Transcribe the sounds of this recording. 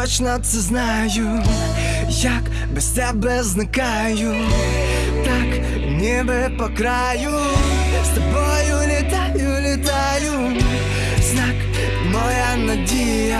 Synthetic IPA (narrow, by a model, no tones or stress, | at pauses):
ɔt͡ɕnɔt̪sɐzna | ju | jak | bɛsʲt̪ʲɛbɛznaka | ju | t̪ak | nʲɛbɛpɔkɾa | ju | jast̪ɐbɔjulʲɪt̪ajulʲɪt̪a | ju | znak | mɔjanɐdʲe | ja